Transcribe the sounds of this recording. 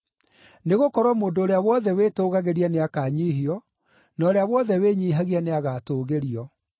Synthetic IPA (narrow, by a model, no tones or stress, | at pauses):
neɣokɔɾwɔmoːndoːɾeawɔðɛweːtoːɣaɣeɾianeakaɲiːɦiɔ | nɔːɾeawɔðɛweɲiɦaɣianeaɣatoːɣeɾiɔ